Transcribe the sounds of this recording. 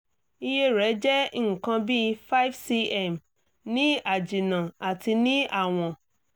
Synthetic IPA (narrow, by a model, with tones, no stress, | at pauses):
i˦je˦ɾɛ˨˦d͡ʒɛ˦ŋ̩˨kã˧bi˦fa˦i˦fsi˧ɛ˦˨m | nĩ˦a˨d͡ʒi˨nã˨a˨ti˧nĩ˦a˦˨w̃ɔ̃˧˨